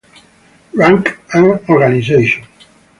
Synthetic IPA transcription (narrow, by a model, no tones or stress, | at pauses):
ɹãŋkãnɔɾɡanizejʃɔ̃n